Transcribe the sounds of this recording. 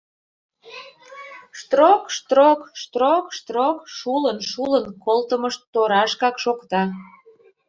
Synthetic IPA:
ʃt̪rokʃt̪rokʃt̪rokʃt̪rokʃulənʃulənkolt̪əməʃoɾɑʃkɑkʃokt̪ɑ

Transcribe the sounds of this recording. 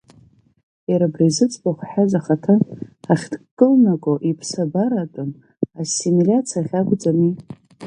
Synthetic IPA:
jaɾabrizɨt͡sʼbaχʷħazaχatʰaaχʲdkʼɨlnakʷʼoʔipʰsabaɾatʼɨn | asimilʲat͡sʰaχʲaɡʷʼd͡zami

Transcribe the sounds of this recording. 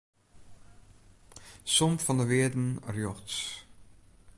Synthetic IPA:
sɔmfɔndəʋɪədn̩rjɔxts

